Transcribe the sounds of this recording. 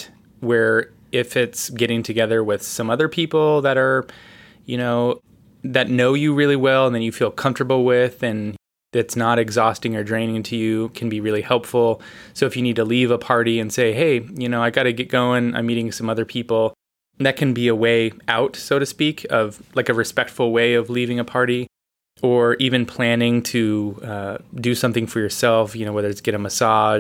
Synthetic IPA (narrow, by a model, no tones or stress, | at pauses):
wə˞ | ɪfɪtsɡ̥ɛɾɪ̃ŋtʰɨɡɛðə˞wɪð̥sʌ̃mʌðə˞pʰipl̩ˠðɨɾə˞ | jɨñoʊ | ðɨtⁿnoʊjɨɹɪlˠiwɛlˠnðɨ̃njɨfilˠkʰʌ̃ɱftə˞bl̩ˠwɪðɨ̃n | ðɨtsnəɾɨɡzɔstɪ̃ŋə˞dɹẽɪ̃nɪ̃ŋtʰɨjʉkʰɨ̃n̩biɹɪlˠihɛlˠpfl̩ˠsoʊɨfjɨnid̚tʰəlivəpʰɑɹɾiɨ̃nseɪɦeɪjɨñoʊaɪɡɑɾɨɡɛt̚ɡ̥oʊɪ̃ŋã̰ɪ̃miɾɪ̃ŋsʌ̃mʌðə˞pʰipl̩ˠ | ðɨt̚kʰɨ̃nbiɨweɪaʊtsoʊɾɨspikʰʌv̥laɪkɨɹɨspɛk̚tfl̩ˠweɪʌvlivɪ̃ŋɨpʰɑɹɾi | ə˞ʔivɨ̃npʰl̥æ̃nɪ̃ŋtʰɨʌdɨsʌ̃mθɪ̃ŋfə˞jə˞sɛlˠfjɨnoʊwɛðə˞ɨtsɡ̥ɛɾɨməsɑʒ